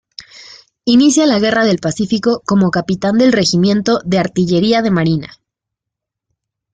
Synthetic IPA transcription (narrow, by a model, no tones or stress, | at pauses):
inisjalaɣe̞raðe̞lpasifiko̞ko̞mo̞kapit̪and̪e̞lre̞ximjẽ̞nt̪o̞ðe̞aɾt̪iʝe̞ɾiaðe̞maɾina̰